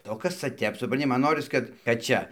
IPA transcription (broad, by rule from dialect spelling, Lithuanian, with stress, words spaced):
oː ˈkɐs t͡sɐ ˈtʲɛp sʊprɐnʲˈtʲɪ ˈmɐn ˈnoːrʲɪs kɐt kɐt ˈt͡ʃʲɛ